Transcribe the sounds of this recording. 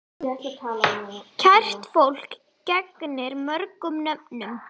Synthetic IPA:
ɛat̪ʰaːlacʰar̥t̪fowl̥k | cɛknɪɾmœɾkʏmnœpnʏm

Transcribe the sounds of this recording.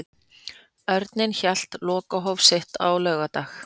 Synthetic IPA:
œɾt̪nɪnçal̥t̪lɔːkaɦɔwvsɪht̪awlɛɣat̪aːx

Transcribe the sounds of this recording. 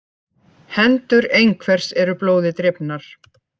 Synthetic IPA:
hɛnt̪ʏɾejŋkʰvɛr̥sɛɾʏploːwðɪt̪ɾɪpnaɾ̥

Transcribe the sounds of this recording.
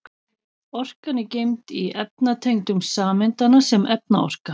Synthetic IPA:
ɔr̥kanɪcejmt̪iɛp̚nat̪ʰejŋt̪ʏmsaːmɪnt̪anasɛmɛp̚na̰ɔ̰r̥ka

